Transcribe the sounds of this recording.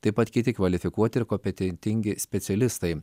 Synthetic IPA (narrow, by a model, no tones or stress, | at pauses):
t̪ɐɪpɐt̪kʲɪt̪ʲɪkʋɐlʲɪfʲɪkuɔt̪ʲɪɪɾkoːmpʲɛt̪ʲɛnʲt̪ʲɪŋʲɡʲɪsʲpʲɛt̪sʲɛlʲɪst̪ɐɪ